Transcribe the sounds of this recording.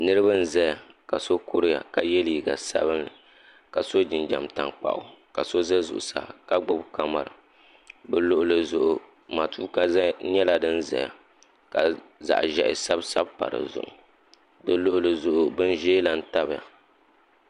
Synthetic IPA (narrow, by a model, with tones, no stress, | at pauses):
nɨ˦ɾɨ˦ba˦n̩˦zɛ˦a˨ka˨so˦kʊ˦ɾɨ˦ja̰˨ka˨jɛ˦li˨i˨ɡa̰˨sa̰˦bɨ˦nɨ˨ | ka˨so˦d͡ʒɪ˨nd͡ʒa̰˨mta̰˨ŋk͡pa̰˦ʔʊ˦ka˨so˦zɛ˦zʊ̰˨ʔʊ˨sa̰˨ka˦ɡ͡bʊ˦bka˦ma̰˨ɾɨ˨ | bɛ˦lʊ˦ʔʊ˦lɨ˦zʊ˦ʔʊ˨ | maː˨tʰuː˦ka˦ɲɛ˦la˨dɨ˦n̩˦zɛ̰˨ja̰˨ | ka˨za̰˨ʔʒɛ˨ʔɪ̰˨sa˦bsa˦bpa̰˨ɾɨ̰˨zʊ̰˦ʔʊ̰˨ | dɨ˦lʊ˦ʔʊ˦lɨ˦zʊ˦ʔʊ˦bɨ˦n˦ʒeː˦la˦n̩˦ta˦bja̰˨